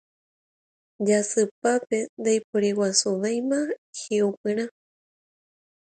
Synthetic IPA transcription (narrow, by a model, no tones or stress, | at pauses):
d͡ʒasɨpape̞nd̪ajpoɾiwasuʋajmãheupɨ̃ɾ̃ã